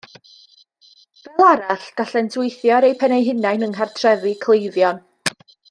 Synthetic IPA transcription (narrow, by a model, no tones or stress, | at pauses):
v̥ɛlˠaɾaɬɡ̥aɬɛntʰɪjθjɔɾejpʰɛnejɦɪnajnəŋɦɛrtʰrɛvikʰlˠejðjɔn